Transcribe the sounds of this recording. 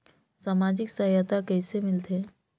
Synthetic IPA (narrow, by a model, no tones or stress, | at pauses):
saːmaːd͡ʒɪksɐɦjət̪akɛːsemɪlt̪ɛ̃ː